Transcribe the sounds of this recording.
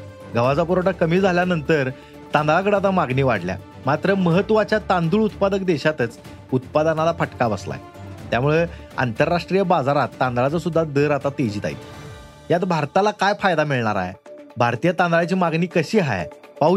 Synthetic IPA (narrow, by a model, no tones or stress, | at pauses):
ɡʱəʋad͡zapuɾaʈakəmiːd͡zʱaljanənt̪əɾ | t̪ãnd̪ɭak̬əɽat̪̬amaɡniːʋaɽlja̰ | mat̪ɾəməɦət̪ːʋat͡ɕjat̪and̪uːɭut̪pad̪əkd̪eɕat̪ət͡s | ut̪̚pad̪analapəʈkabə̰sla̰j | t̪jamuɭe | a̰nt̪əɾːaʂʈɾijəbad͡zaɾat̪ːãnd̪ɾat͡sasud̪ːad̪əɾat̪at̪ed͡ʑiːt̪a̰j̰t̪ | jat̪̬bʱaɾt̪alakajfajd̪amiɭɳaɾa̰ɦḛ | bʱaɾt̪ijət̪ãnd̪ɾat͡ɕiːmaɡniːkəɕiːɦa̰j̰ | pa